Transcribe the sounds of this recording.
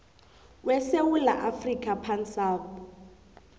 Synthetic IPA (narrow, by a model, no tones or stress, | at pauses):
wɛsewula̰ʔafrikʼapʰansaːp